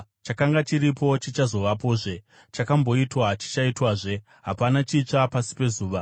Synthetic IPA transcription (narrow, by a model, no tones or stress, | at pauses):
t͡ʃakaŋɡat͡ʃiɾipo̞t͡ʃit͡ʃazo̞ʋapo̞ːʐe̞ | t͡ʃakambo̞itwat͡ʃi̥t͡ʃaitwaːʐe̞ | ɦapanat͡ʃiːt͡ʂapasi̥pe̞zuːʋa